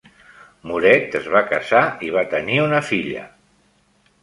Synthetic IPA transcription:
muɾɛt̪əzβakəzaiβ̞at̪əniunəfiʎə̰

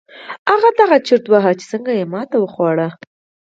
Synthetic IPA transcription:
aɣad̪aɣat͡ʃɪɾt̪waɦat͡ʃɪ̥səŋɡajemɑt̪awəxwɑɽa

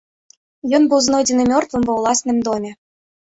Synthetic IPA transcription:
jonbuznodʲinomʲort̪vɤ̆mbŏvlˠɑsʲnʲɘ̆mʲd̪omʲĕ

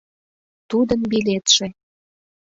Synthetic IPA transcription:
t̪ud̪əmbilet̪ʃe

